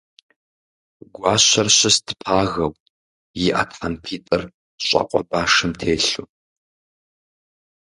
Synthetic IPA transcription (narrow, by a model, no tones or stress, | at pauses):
ɡʷaːɕɐrɕɐstʰɨ̥pʰaːɣɐw | jiʔa̰tħɐnpʰiːtʼɐr | ɕʷʼɐ̰qʷʼɔ̰baːʂɨmtʰeːɬu